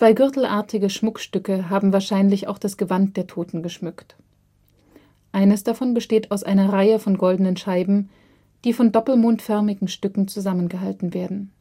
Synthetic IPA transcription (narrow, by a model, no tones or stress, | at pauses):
t͡sv̥aɪɡʏɐtl̩ʔa̰ːɐtʰɪɡəʃmʊkʃtʏkəɦaːbm̩vaːɐʃaɪnlɪça̰ʊxd̥asɡ̥əvant̚d̥eːɐtʰoːtn̩ɡəʃmʏkt | ʔaɪnəsd̥afɔnbəʃteːtʰaʊsʔaɪnɐʁaɪəfɔnɡɔldənənʃaɪbm̩ | d̥iːfɔndɔpl̩moːntfœɐmɪɡŋ̩ʃtʏkŋ̩t͡suzamənɡəɦaltn̩veːɐdn̩